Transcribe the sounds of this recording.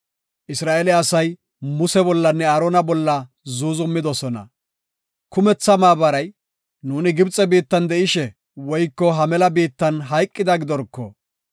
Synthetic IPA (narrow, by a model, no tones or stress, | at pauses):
ʔɪsɾaːʔɛlɛɐsɐj | mʊsɛbɔlːɐnːɛɐɾɔnɐbɔlːɐ | zuːzʊmːɪd̪ɔsɔnɐ̰ | kʊmɛt͡sːɐmaːbɐɾɐj | nuːnɪɡɪbt͡sʼːɛbiːt̪ːɐnd̪ɛɪʃɛ | wɔjkːɔɦɐmɛlɐbiːt̪ːɐnɦɐjkʼːɪd̪ɐɡɪd̪ɔɾkːɔ